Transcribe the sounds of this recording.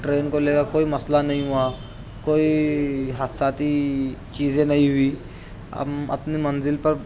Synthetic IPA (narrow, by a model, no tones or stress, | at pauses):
ʈɾeːnkoleːɡakoːimɐslanɐɦĩɦʊaː | koːiɦaːt̪ʰsaːt̪it͡ʃiːzẽnɐɦĩɦʊiː | ə̰mɐ̰pnimənzɪlpəɾ